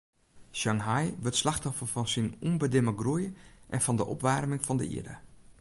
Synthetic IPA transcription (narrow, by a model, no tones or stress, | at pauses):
ʃaŋɦajʋɪtslaxtɔfəfɔnsinunbədɪməɡrujəʔɛnfɔndəʔɔ̰pʋarmɪŋfɔndə̰ḭədə̰